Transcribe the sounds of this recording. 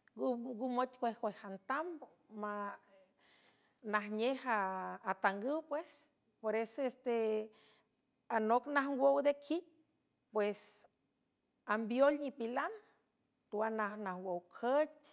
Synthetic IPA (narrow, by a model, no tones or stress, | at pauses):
ɡuɡumot̪ʲkwehkwehant̪ambo | ma | nahɲehaːt̪aŋɡɨwpwes | poɾesoest̪e | anoknahwowd̪ekʰit̪̚ | pwes | ambjolɲipilan | t̪uanahnahwowkʰət